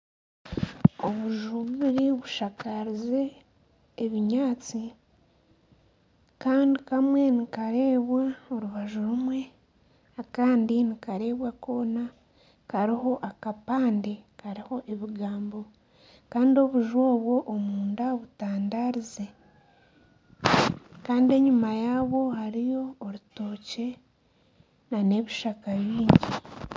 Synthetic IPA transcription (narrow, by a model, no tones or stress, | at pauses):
o̞βuʒuβuβiɾiβuʃakaɾize̞ː | βiɲaːt͡si | kaːndikamwe̞nikaɾe̞ːβwao̞ɾuβaʒuɾumwe̞ | akaːndinikaɾe̞ːβwako̞ːna | kaɾiho̞ʔakapaːnde̞kaɾiho̞ʔe̞βiɡaːmbo̞ | kaːndio̞βuʒwo̞ːβwo̞ʔːmuːndaoβutaːndaɾize̞ | kaːndie̞ɲumajaːβo̞haɾijo̞ːɾutoːce̞ | nane̞βiʃakaβiːɲɟi